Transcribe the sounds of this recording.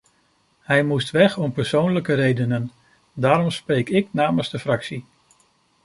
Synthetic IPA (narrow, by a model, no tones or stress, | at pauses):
ɦɛjmustʋɛχɔmpəɹsownləkəɾejdənən | daːɾɔmspɾejkɪknaːmənzdəfrɑksi